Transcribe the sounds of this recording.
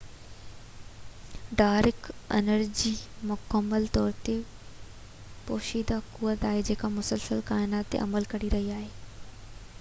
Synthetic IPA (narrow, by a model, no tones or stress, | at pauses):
ɖaːɾɪkɪ̰nəɾd͡ʑiːmʊkəmːəlt̪ɔːɾt̪e | poːʃiːd̪akuʋət̪aːɦed͡ʑeːkamʊsəlsəlkaːɪnaːt̪ːḛʔɐ̰məlkɐɽiɾɐɦiaːɦeː